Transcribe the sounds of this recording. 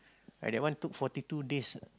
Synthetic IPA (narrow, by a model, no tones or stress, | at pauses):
a̰dɛʔ̚wãnt̪uk̚fɔtitudes